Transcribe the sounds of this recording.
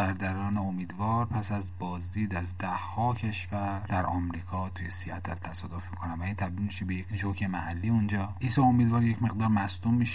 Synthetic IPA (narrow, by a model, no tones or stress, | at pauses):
æɾd̪æɾɒːneomiːd̪vɒːɾpʰæsæzbɒːzd̪iːd̪æzd̪æhːɒːcʰe̞ʃvæɾd̪̥æɾʔɒmɾiːkʰɒːt̪ʰujesiæ̰t̪ʰælt̪ʰæsɒːd̪ofmikʰonæmvæiːnt̪ʰæb̚d̪ilmiʃebejecʃocʰemæhælːiːund͡ʒɒːʔiːsɒomiːd̪vɒːɾje̞cme̞ɣd̪ɒːɾmæsd̪umːiʃe